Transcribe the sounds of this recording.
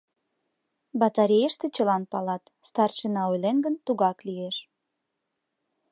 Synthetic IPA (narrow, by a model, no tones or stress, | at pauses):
bɑt̪ɑɾʲejəʃt̪ĕt͡ɕəlɑnpɑlɑt̪ | st̪ɑrt͡ɕənɑojlenɡənt̪uɣɑklieʃ